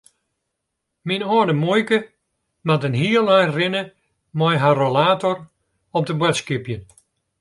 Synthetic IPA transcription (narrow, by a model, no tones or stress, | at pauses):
minɔədəmojkə | matənɦiəlˠajrɪnə | mɔjɦarolaːtɔr | ɔp̚dəbwɛtskipjən